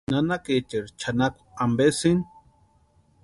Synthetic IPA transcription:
nanaket͡ʃeɾt͡ʃʰanakʷu̥ambesin

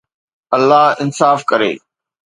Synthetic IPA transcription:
ɐlːaɦɪnsaːfkɐɾḛː

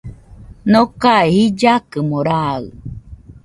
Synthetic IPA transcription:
nokaehid͡ʒakɨmoɾaɯ̰

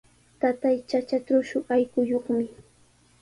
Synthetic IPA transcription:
t̪at̪ajt͡ʃat͡ʃatʊʃʊajkʊjoχmɪ

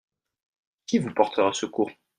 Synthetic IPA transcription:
kʲivupɔʁt̪ʰəʁasəkuʁ

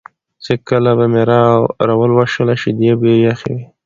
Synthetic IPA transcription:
t͡sekəlabameɾawɾawəlwaʃəlaʃid̪jebejaxḛwi

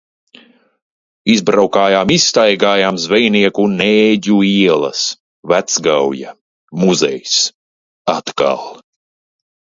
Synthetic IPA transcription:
izbɾawkaːjaːmist̪ajɡaːjaːmzvɛjniɛkuneːɟuiɛlˠɐ̰s | væt̪sɡawja̰ | muzɛ̰js | at̪ka̰lˠ

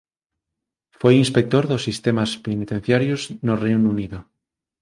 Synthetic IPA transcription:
fwejinspek̚t̪oɾðosːist̪emaspenit̪en̟θjaɾjoznorejnuniðo

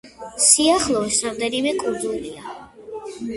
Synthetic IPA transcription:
siaχlˠɔɛsamd̪ɛnimɛkʼubulia

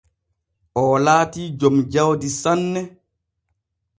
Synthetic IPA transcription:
ʔɔlaːtiːd͡ʒomd͡ʒawdisanːɛ

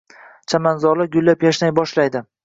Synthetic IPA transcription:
t͡ʃʰamanzɒɾlaɡʊlːapjaʃnajbɒʃlajd̪ɪ

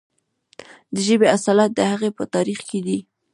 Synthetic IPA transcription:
d̪əʒəbeasɑlat̪̚d̪əhaɣepət̪ɑɾixked̪i

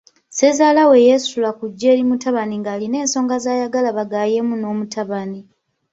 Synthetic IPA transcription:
se̞zaːlawe̞je̞sulakuɟːe̞ːɾimutaβaniŋɡaːline̞ːnso̞ːŋɡazaːjaɡalaβaɡaːje̞muno̞ːmutaβani

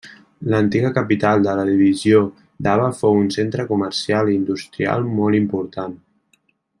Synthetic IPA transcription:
lənt̪iɣəkəpit̪alˠd̪ələðiβizio | d̪aβəfowunsent̪ɾəkuməɾsialiːnd̪ust̪ɾia̰lˠmɔlˠimpuɾt̪an

